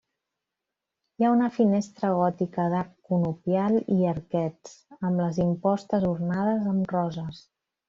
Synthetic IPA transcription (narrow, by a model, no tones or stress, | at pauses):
jaunəfinest̪ɾəɣɔt̪ikəðaɾkːunupjaliəɾkɛt͡səmləzimpɔst̪əzurnað̞əzəmrɔzəs